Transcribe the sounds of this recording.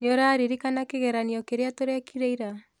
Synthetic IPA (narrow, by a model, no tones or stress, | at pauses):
noɾaːɾiɾikanakeɣɛɾaniɔkeɾeatoɾɛkʰiɾeiɾa